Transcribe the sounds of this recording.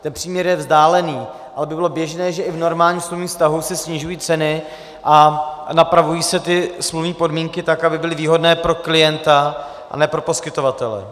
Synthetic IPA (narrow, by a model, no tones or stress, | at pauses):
t̪ɛnpr̥iːmɲɛɾjɛvzdaːlɛniː | ʔalɛbɪbɪlo̞bjɛʒnɛːʒɛʔɪvno̞ɾmaːlɲismluvɲiːfst̪aɦusɛsɲɪʒujiːt͡sɛnɪ | ʔanapɾavujiːsɛt̪ɪsmluvɲiːpo̞dmiːŋkɪt̪akabɪbɪlɪviːɦo̞dnɛːpɾo̞klɪjɛnt̪a | ʔa̰nɛːpɾo̞po̞skɪt̪o̞vat̪ɛlɛ̰